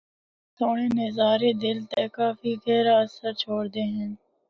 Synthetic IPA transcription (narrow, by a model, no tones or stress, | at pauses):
t̪ʰoːɽeːnezaːɾeːd̪ɪlt̪eːkaːfiːɡeːɾaːsəɾt͡ʃʰoːɽd̪eːɦɛ̃ː